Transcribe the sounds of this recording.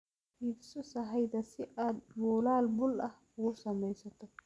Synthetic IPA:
hibsɔsɐɦɐjd̪ɐsɪʔaːd̪mɔːlaːlbʊlʔɐh | ʊɣʊsɐmɛjsɐt̪ʰɔ

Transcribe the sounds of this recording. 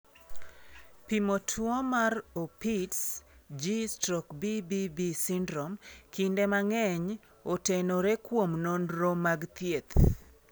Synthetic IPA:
pimotʰwɔmaropitsd͡ʒistɾɔkbibibisindɾɔmkindemaŋɛɲ | otenoɾekwomnonɾomaɡt̪jet̪

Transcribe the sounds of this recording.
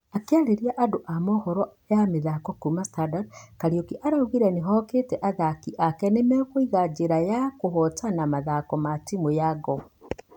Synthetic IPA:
akeaɾeɾiaʔadoʔamɔhɔɾɔ | jameðakɔkumastadaɾkaɾiokiʔaɾauɣiɾɛneɦɔketɛʔaðakiʔakɛnemɛkoiɣad͡ʒeɾajakoɦɔtanamaðakɔmatimojaɡɔ

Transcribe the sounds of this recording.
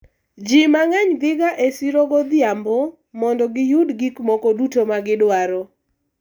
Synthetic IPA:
d͡ʒimaŋɛɲd̪ɪɡaʔesiɾɔɡɔd̪ɪambɔ | mɔndɔɡɪjʊdɡikmɔkodutomaɡɪdwaɾɔ

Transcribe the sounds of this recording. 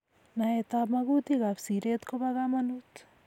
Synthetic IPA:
naet̪abmɐɡut̪iɡapsiɾet̪kobaɣamɐnut̪

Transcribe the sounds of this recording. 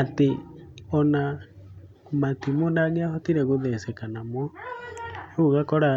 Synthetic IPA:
ateɔna | matimodaɡiahɔtiɾɛɣoðɛsɛkanamwɔ | eoɣakɔɾa

